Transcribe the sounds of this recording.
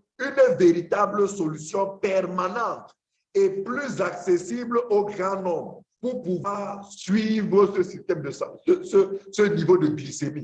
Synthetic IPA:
ynveʁit̪abləsolysjɔ̃pɛʁmanɑ̃t̪ | eplyzaksesibloɡʁɑ̃nɔ̃mʁpuʁpuvwaʁsɥivʁəsəsist̪ɛmd̪əsɑ̃səsəsənivod̪əɡlisemi

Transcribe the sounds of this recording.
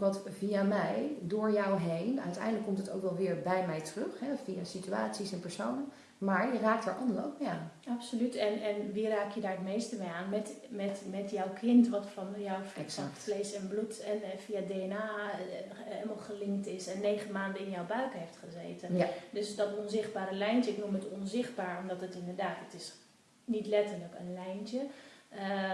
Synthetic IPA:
kʋɑtviamɛjdʊːɹjɔwɦejnœ̰ɥtɛ̰jdələkːɔmtəto̰wkʋɛlˠʋɪːɹbɛjmɛjtərøχɦɛvijasityaːtsisɛnpəɹsownə | maːɹjəraːk̚tə̰ɹʔɑndəo̰wk̚bɛanapsolytɛnɛnʋiraːkjədaːɹətmejstəbɛjaːnmɛtmɛtmɛtjɔwkʰɪntʋɑtfɔnjawfsfleːsɛnblutɛnfiadeːɛnaː | ɛlmalˠχəlɪŋktɪsɛnːeːχənmaːndəɪnjɔwbœɥkəhejftχəzḛːtəndøsdɔtɔnzɪχd̚baːɾəlɛjntəɪknumətɔnzɪχt̚baːɹɔmdɔtətɪndəɹdaːtətɪs | nitlɛtələkənlɛjntəə

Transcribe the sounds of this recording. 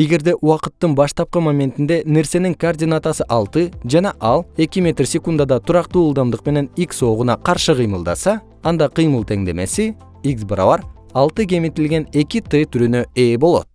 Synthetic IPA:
e̞ɡʲe̞ɾd̪e̞ʔuwɑqət̪ːənbɑʃt̪ɑp̚qəmamʲe̞nt̪ind̪e̞ne̞ɾse̞nɪŋkord̪ʲinat̪asɨʔɑlˠt̪ɨʒɑnɑʔɑlˠe̞kʲɪmʲe̞t̪rsʲe̞kund̪ad̪ɑt̪ʰʊɾɑqt̪uːlˠd̪ɑmd̪əqme̞ne̞nikso̞ʁunɑqʰɑɾʃɨqʰɨjməlˠd̪ɑ̰sɑː | nd̪ɑqʰɨjməlˠt̪ʰe̞ŋd̪e̞me̞sɪ | iksbɨɾɑ̰vɑɾ | ɑlˠt̪ɨkʲe̞mit̪ɪlɡʲe̞ne̞kʲɪt̪ɨt̪ʰyɾønøebo̞lˠo̞̰t̪

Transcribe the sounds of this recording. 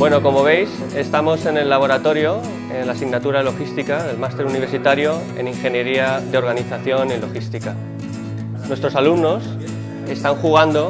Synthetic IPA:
bwe̞no̞ko̞mo̞β̞e̞js | e̞st̪amo̞se̞ne̞lːaβ̞o̞ɾat̪o̞ɾjo̞ | enlasiɣnat̪uɾalo̞xist̪ikaðe̞lmast̪e̞ɾuniβ̞e̞ɾsit̪aɾjo̞ | e̞̰niŋxe̞nje̞ɾiaðe̞o̞ɾɣaniθaθjo̞nilo̞xist̪ika | nwe̞st̪ɾo̞salumno̞s | e̞st̪aŋxuɣ̞and̪o̞

